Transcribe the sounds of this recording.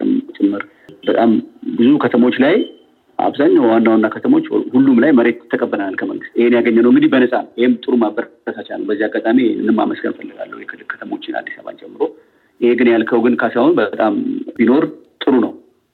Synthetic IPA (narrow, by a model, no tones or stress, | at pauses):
t͡ʃʼɨmːɨɾ | bət̪ʼambɨzukʰət̪ʰəmo̞t͡ʃːlaj | a̰βzaɲːawwanːawanːakʰət̪ʰəmo̞t͡ʃːhulːumlajməɾe̞t̪t̪ʰːəkʼəbːəənalkʰəmə̰ŋɡɨst̪ɪhenjaɡəɲːənəwɨŋɡɨd̪ibənəsʼajɪhemt̪ʼɨɾumabːəɾt̪ʰəsat͡ʃalːəbəzːiaɡːat̪ʼamiɨnːɨmːa̰məsɡənfəlːɨɡa̰lːəwjɛkʰɨlːɨlkʰə̥t̪ʰəmo̞t͡ʃːɪna̰d̪ːi̥saβa̰nt͡ʃʼɛmːɨɾo̞ | ʔɪheɡɨnjalkʰəwɡɨnkʰasahonbət̪ʼambino̞ɾt̪ʼɨɾunəw